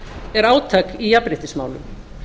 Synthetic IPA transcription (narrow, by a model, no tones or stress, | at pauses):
ɛɾaːwt̪ʰakijapɾɪht̪ɪsma̰ːwlʏ̰m